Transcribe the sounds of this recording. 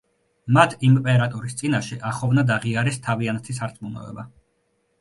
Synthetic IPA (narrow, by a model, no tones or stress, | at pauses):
mat̪ʰimpʼɛɾat̪ʼɔɾist̪sʼinaʃɛʔaχɔvnad̪aʁiaɾɛst̪ʰaviant̪ʰisaɾt̪sʼmunɔ̰ɛ̰ba